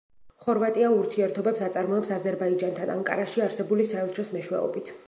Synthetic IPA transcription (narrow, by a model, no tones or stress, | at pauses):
χɔɾvat̪ʼiauɾt̪ʰiɛɾt̪ʰɔbɛpsat̪sʼaɾmɔɛpsazɛɾbaid͡ʒant̪ʰanʔa̰ŋkʼa̰ɾaʃiaɾsɛbulisaɛlˠʃʰɔsmɛʃwɛ̰ɔ̰bit̪ʰ